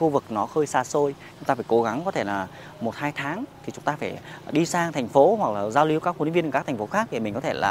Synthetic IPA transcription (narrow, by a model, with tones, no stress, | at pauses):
xu˧vɨ˨˩k̚nɔ˨˦xəː˧jsaː˧so˧j | t͡ɕŋ͡mt̪aː˧faː˧˩jko˨˦ɣa˨˦ŋkɔ˨˦t̪ʰe˧˩laː˨˩ | mo˨˩t̚haː˧jt̪ʰaː˨˦ŋt̪ʰi˨˩t͡ɕʊ˨˦ŋ͡mt̪aː˧faː˧˩jɗi˧saː˧ŋt̪ʰɛ˨˩jŋ̟fo˨˦hwa˨˩k̚laː˨˩zaː˧wli˨˦wkaː˦˥k̚fi˨˦vi˧nː˨˩kaː˦˥t̪ʰa̟˨˩o˨˦xaː˦˥k̚ɗe˨˩mï̟˨˩kɔ˨˦t̪ʰe˧˩lʔa̰ː˨˩